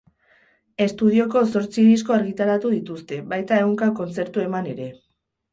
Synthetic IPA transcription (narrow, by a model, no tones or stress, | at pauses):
e̞st̪uðio̞ko̞so̞ɾt͡siðis̬ko̞aɾɣit̪aɾat̪uðit̪ust̪e̞βajt̪ae̞ɣuŋkako̞nt͡se̞ɾt̪ue̞mane̞ɾe̞